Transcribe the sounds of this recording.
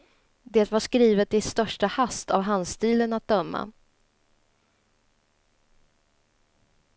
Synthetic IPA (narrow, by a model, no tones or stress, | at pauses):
d̪eːt̪vaʂkɾiːvət̪ɪst̪œʂʈahast̪ʰavɦanst̪iːlənat̪̚d̪œmːa̰